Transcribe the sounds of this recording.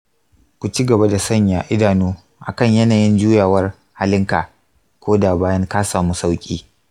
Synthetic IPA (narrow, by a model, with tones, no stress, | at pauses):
kʷu˨t͡ʃi˦ɡɐ˨ba˦da˨sɐ˦˨ɲjaː˨ʔɪ˦daː˨nuː˦ | ʔa̰˨kɐ˦ɲjɐ˦naː˨jɪ˦nd͡ʒuː˦jaː˨wɐ˦r | ha˦lɪ˦ŋkaː˨ | kʷoː˦daː˨baː˦jɐ˦ŋkaː˦saː˨muː˦sa˦wkʲʼḭː˦